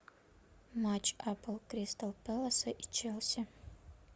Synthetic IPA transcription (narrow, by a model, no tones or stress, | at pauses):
mat͡ʃʰːapʰɨlˠkɾistʰɐlpʰɛlɐsɐʔit͡ʃʰelˠsʲa